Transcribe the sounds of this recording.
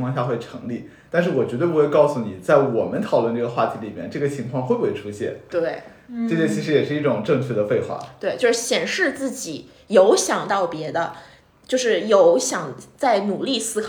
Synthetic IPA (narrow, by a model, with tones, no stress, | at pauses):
ŋʰkwɑ˥˧ŋɕja˥˧xwe˥˩ɪʈ͡ʂʰɤ˧˥ŋli˥˩ | t̪nʂɻ̩˥˩wɔ˨˩t͡ɕɥɛ˧˥t̪we˥˩ɪpu˧xwe˥˧ɪkɑ˥˧ʊsu˨˩ni˨˩t͡sa˥˩ɪwɔ˨˩mə˦nt̪ʰɑ˨˩ʊlwə˥˧nʈ͡ʂɤ˥˩ɡə˩˧xwa̰˥˩t̪ʰi˧˥li˨˩mjɛ˥˧nʈ͡ʂɤ˥˩ɡə˩t͡ɕʰi˧˥ŋkʰwɑ˥˧ŋxwe˥˧ɪbwe˥˩ʈ͡ʂʰu˥ɕjɛ̰˥˩nt̪we˥˩ɪ | ɤ˥˧˩ɕjɛ˥˩t͡ɕʰi˧˥ʂɻ̩˧˥jɛ˨˩ʂɻ̩˥˧i˥˩ʈ͡ʂʊ˨˩ŋʈ͡ʂɤ˥˧ŋt͡ɕʰɥd̪ə˦fe˥˧ɪxwa̰˥˩t̪we˥˧ɪt͡ɕjo˥˧ʊʂɻ̩˥˩ɕjɛ˨˩nʂɻ̩˥˧t͡sɹ̩˥˩t͡ɕi˨˩ | jo˧˥ʊɕjɑ˨˩ŋt̪ɑ˥˩ʊpjɛ˧˥d̪ə˧ | t͡ɕjo˥˧ʊʂɻ̩˥˩jo˧˥ʊɕjɑ˨˩ŋt͡sa˥˩ɪnu˨˩li˥˩sɹ̩˥kʰ